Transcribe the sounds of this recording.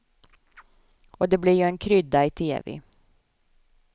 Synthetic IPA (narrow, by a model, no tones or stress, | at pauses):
oːd̪eːbliːjuːeːŋkʰɾʏd̪ɑiːt̪ʰḛːʋɪ̰ː